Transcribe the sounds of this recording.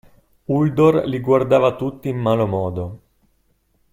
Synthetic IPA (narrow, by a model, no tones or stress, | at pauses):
uld̪orliɡward̪aːvat̪ut̪ːiːmːaːlomɔːd̪o